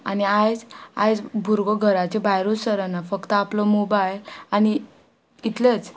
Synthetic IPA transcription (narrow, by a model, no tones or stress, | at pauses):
a̰niajd͡za̰jd͡zbʱuɾɡoɡʱəɾat͡ɕebajɾosəɾənafəkt̪əaplɔmobajeani | it̪let͡s